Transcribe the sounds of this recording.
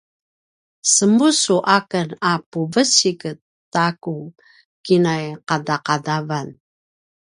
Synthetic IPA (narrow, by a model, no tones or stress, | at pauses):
səmbusuʔakənapuvəsikətːaku | kinajqadaqadavan